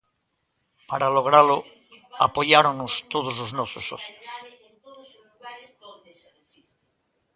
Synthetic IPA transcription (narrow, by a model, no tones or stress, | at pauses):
paɾalo̞ɣ̞ɾalo | a̰po̞ʝaɾonːost̪oð̞ozloznososo̰θjos